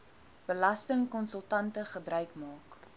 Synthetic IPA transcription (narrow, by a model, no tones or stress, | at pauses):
b̥əlɐstəŋkɔnsəlˠtɐntəχəbɾœɥkmɑːk